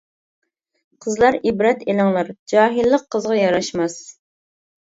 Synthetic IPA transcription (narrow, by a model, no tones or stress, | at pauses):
qʰəzlˠɑɾibɾɛt̪elɨŋlˠɑɾd͡ʒɑːɦilˠːəqʰːəzʁɑjɑɾɑʃmɑs